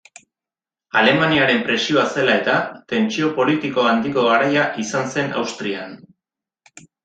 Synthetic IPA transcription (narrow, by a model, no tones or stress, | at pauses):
ale̞maniaɾe̞mpɾe̞sio̞ase̞lae̞t̪at̪e̞nt͡ʃio̞po̞lit̪iko̞and̪iko̞ɣaɾajaʔisanse̞na̰wst̪ɾian